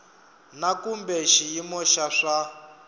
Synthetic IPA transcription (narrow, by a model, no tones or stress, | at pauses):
nakumbɛʃijimɔʃaʂa